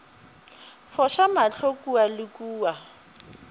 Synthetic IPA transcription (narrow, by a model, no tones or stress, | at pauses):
fɔʃamaɬʰokʼualɪkuːwa